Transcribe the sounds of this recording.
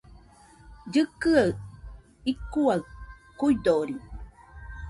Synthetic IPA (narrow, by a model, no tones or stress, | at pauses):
ɟɨkɨa | ikːuaɯ | kujd̪oːɾi